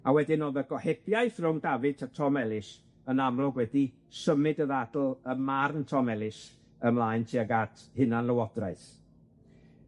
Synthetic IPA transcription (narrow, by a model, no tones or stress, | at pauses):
awɛdɪnɔðəɡ̥ɔhɛbʰjajθrʊmdavɨtʰatʰɔmɛlˠɪs | ənamlˠɔɡwɛdi | səmɨdəðadl̩ˠəmarntʰɔmɛlˠɪs | əmlˠaːɨntʰiaɡatʰhɨnanlˠəwɔd̥raɨθ